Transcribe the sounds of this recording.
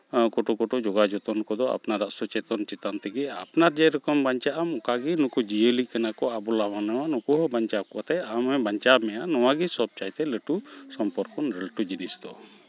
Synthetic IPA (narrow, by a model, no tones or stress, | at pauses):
kɔʈɔkɔʈɔd͡ʒɔɡad͡ʒɔt̪ɔnkɔd̪ɔa̰pnaɾaʔsɔt͡ʃɛt̪ɔnt͡ʃɛt̪ant̪ɛɡɛapnaɾd͡ʒɛɾɔkɔmbaɲt͡ʃaʔamɔkaɡinukud͡ʒiəlikanakɔabɔlamanawanukuɦɔbaɲt͡ʃakɔʔat̪ɛamɛbaɲt͡ʃamɛjanɔwaɡisɔb̚t͡ʃajt̪ɛləʈusɔmpɔɾkɔnɾəlʈud͡ʒinisd̪ɔ